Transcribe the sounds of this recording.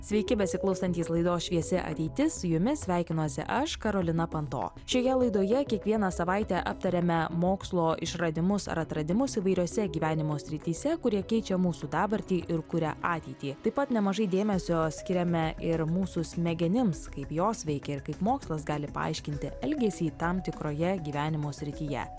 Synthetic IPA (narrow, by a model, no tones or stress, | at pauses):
sʲʋʲɛɪkʲɪbʲɛsʲɪklˠɐʊst̪ɐnʲt̪ʲiːslˠɐɪd̪oːsʃʲʋʲiɛsʲɪʔɐ̰t̪ʲɛɪt̪ʲɪsjʊmʲɪsʲʋʲæˑɪkʲɪnosʲɪ̰ʔɐʃkɐɾoːlʲɪnɐpɐnt̪o̰ː | ʃʲoːjɛlˠɐɪd̪oːjɛkʲiɛkʋʲiɛnɐsɐʋɑɪt̪ʲɛʔɐpt̪ɐɾʲɛmʲɛmoːkslˠoːʔɪ̰ʃɾɐd̪ʲɪmʊsɐ̰ɾɐt̪ɾɐd̪ʲɪmʊsiʋɐɪɾʲuɔsʲɛɡʲiːʋʲæːnʲɪmoːsʲɾʲɪt̪ʲiːsʲɛkʊɾʲiɛkʲɛɪt͡ʃʲɛmuːsuːd̪ɑːbɐɾʲt̪ʲiːʔɪɾkʊɾʲɛ̰ʔɑːt̪ʲɛɪt̪ʲiːt̪ɐɪpɐt̪nʲɛmɐʒɐɪd̪ʲeːmʲɛsʲoːsʲkʲɪɾʲɛmʲɛʔɪɾmuːsʊsʲmʲɛɡʲɛnʲɪmskɐɪpjoːsʋʲɛɪkʲɛɪɾkɐɪpmoːkslˠɐsɡɑːlʲɪpɐ̰ɑ̰ɪʃʲkʲɪnʲt̪ʲɪɛlʲɡʲɛsʲiːt̪ɐmt̪ʲɪkɾoːjɛɡʲiːʋʲæːnʲɪmoːsʲɾʲɪt̪ʲiːjɛ̰